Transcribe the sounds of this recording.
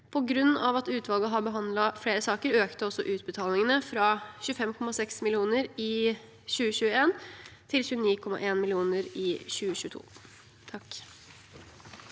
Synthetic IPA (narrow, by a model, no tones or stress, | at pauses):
pʰɔɡɾʉnːɑʋɑt̪ʉːt̪ʋɑlɡəɦɑɾbəɦɑnd̪lɑfɽeːɾəsɑːkəɾøːkt̪əɔsːɔ̰ʔʉːt̪̚bət̪ʰɑːlɪŋənəfɾɑɕʉːfɛmkʰɔmɑsɛksmɪlɪuːnəɾɪ | ɕʉːəɕʉːəeːnt̪ʰɪlɕʉːəniːkʰɔmɑ̰ʔeːnmɪlɪuːnəɾɪɕʉːəɕʉːət̪ʰṵː | t̪ʰɑk